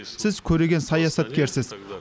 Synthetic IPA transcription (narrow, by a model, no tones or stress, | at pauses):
sɪz̥kʲʰɵɾe̞ɡʲe̞nsɑjɑsɑt̪kʲʰe̞ɾsɪz̥